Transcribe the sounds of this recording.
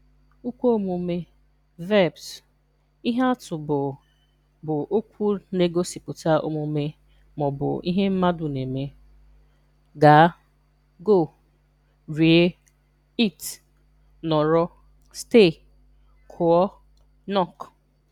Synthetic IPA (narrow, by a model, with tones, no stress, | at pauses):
u˦kʷo˦o˦mu˨me˦ | vɛ˦˨bs | i˦ɦa˦a˦tʊ˨bʊ˨ | bʊ˨ʔo˦kʷu˦ne˦ɡo˦si˨pʊ˨ta˦ʔo̰˦mu˨˦me˦ | mɔ˨bʊ̰˨i˦ɦe˦m̩˦ma˦dʊ˨ne˨me˦ | ɡa˨˦ | ɡo˦˨ | ɾi˨e˦ | i˦˨t | nɔ˨ɾɔ˦ | ste˦˨ | kʰʊ˨ɔ˦ | nɔ˦˨k